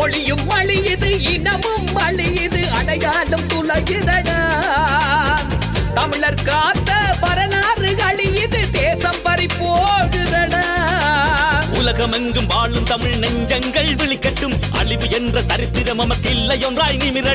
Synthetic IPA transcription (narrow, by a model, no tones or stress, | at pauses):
ɔɭɪjɯmɐɭɪjɪðɯɪnɐmɯmɐɭɪjɪðɯɐlɐjaːlɯmt̪ʊlɐjɯðɐnɐ | t̪ɐmɪɭɐɾkɾaːt̪ːɐpɐɾɐnaːrɯɣɐɭɪjɪðɯt̪eːsɐmpɐɾɪpːoːɣɯðɐnɐ | ʊlɐɣɐmɛŋɡɯmʋaːlɯmt̪ɐmɪɻnɛɲd͡ʒɐŋɡɐɭʋɪɭɪkːɐʈːɯmʔɐ̰ɭɪʋɯɛndrɐt̪ɐɾɪt̪ːɪɾɐmɐmɐkːɪlːɐjɔnraːjnɪmɪɾɐ